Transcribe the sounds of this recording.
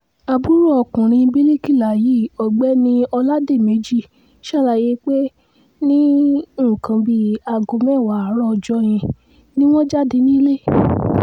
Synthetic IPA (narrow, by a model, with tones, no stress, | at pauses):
a˧bu˦ɾu˦˨ɔ˨kũ˨ɾ̃ĩ˧˦bi˦li˦ki˦˨la˨ji˨˦˨ɔ˨ɡ͡bɛ˨˦nĩ˦ɔ˧la˦de˦˨me˨˦d͡ʒi˦˨ | ʃa˦˨ɾa˨je˧k͡pe˦ | nĩ˦ũ˦˨kʰã˧bi˧a˨ɡo˨˧mɛ̃˦˨wa˨a˨˦ɾɔ˦˨d͡ʒɔ˦j̃ĩ˧ | nĩ˦w̃ɔ̃˦d͡ʒa˦de˧˦nĩ˦le˦